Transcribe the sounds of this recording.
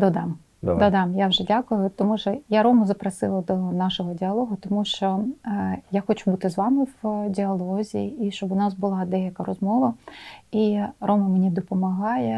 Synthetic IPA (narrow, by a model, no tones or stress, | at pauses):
d̪ɔd̪ɑm | d̪ɔd̪ɑmjawʒɛdʲakʊjʊt̪ɔmuʃɔjaɾɔmɐzɐpɾɐsɪlˠɐd̪ɔnɑʃɔɦɔdʲɪɐlˠɔɦʊt̪ɔmuʃt͡ʃɔ | jaxɔt͡ʃubut̪ɪzʋɑmɪwdʲɪɐlˠɔzʲiiʃt͡ʃɔbʊnɑsbʊlˠɑd̪ɛjɐkɐɾɔzmɔʋɐiɾɔmɐmenʲid̪ɔpɔmɐɦɑjɛ